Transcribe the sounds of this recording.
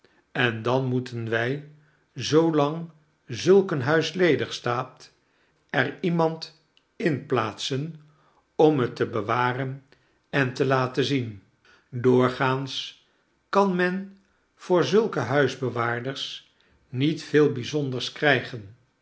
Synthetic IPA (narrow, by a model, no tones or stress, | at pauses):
ɛndɑnmutənʋɛj | zowlɑŋ | zɵlˠkənɦœɥslejdəχstaːt | ɛrimɑnt | ɪnplaːtsən | ɔmɦətəbəʋaːrən | ɛntəlaːtəzin | dʊːɹχaːns | kɑnmɛn | v̥ʊːɹzɵlˠkəɦœɥzbəʋaːɹdəɹs | nitfeːlˠbizɔndəɹskrɛjχən